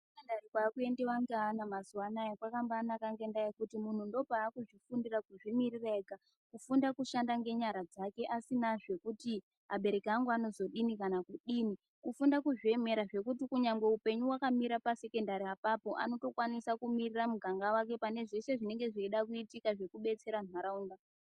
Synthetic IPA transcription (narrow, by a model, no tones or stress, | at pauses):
sekendarikwaːkue̞ndewaŋɡanamazuwanaikwakambaːnakaŋɡe̞ndaekutimun̤undo̞paːkuʐifundirakuʐimirireɡʱa | kufundakuʃandaŋɡe̞ɲaɾad͡zake̞ʔasinaʐe̞kuti | ɦaɓe̞ɾe̞kiaŋɡuano̞zo̞ɗinikanakuɗiːni | kufundakuʐie̞me̞ɾaʐe̞kutikuɲaŋɡe̞upe̞ɲuwakamiɾapase̞ke̞ndaɾiapapo̞ʔa̰no̞to̞kwanisakumiriramuɡʱaŋɡawake̞pane̞ʐese̞ʐine̞ŋɡe̞ʐeiɗakuitikaʐe̞kuɓe̞t͡se̞ɾan̤waɾauːŋɡa